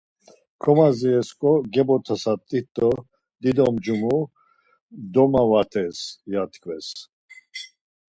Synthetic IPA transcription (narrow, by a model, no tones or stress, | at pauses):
kʰɔmaziɛskʼɔɡɛbɔt̪ʰasat̪ʼit̪ʼːɔ | d̪id̪ɔmd͡ʒumu | d̪ɔmavat̪ʰɛsjat̪ʰkʰvɛs